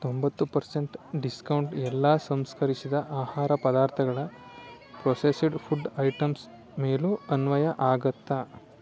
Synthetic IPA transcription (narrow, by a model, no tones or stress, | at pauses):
t̪ombɐt̪ːupɐɾseɳʈɖiskɐwɳʈɛlːaːsɐmskɐɾisid̪ɐʔaːhaːɾɐpɐd̪aːɾt̪ʰɐɡɐɭɐ | pɾoːsesiɖpʰuɖɐjʈɐms | meːluɐnʋɐjɐʔaːɡɐt̪ːɐ